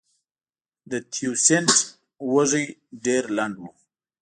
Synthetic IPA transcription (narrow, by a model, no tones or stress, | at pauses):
d̪ət̪ʰjusent | wəʐiɖeɾlaɳɖwu